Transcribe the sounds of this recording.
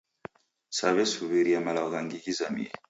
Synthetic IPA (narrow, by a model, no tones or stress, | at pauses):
saβɛsuβiɾiamalaɔɣaŋɡihizamḭɛ̰